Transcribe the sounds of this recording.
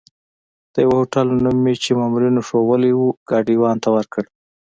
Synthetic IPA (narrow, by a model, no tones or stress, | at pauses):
d̪̥əjawahoʈalnumet͡ʃemɑmuɾinoʂowəlewuɡ̥ɑɖiwɑnt̪awəɾkəɽ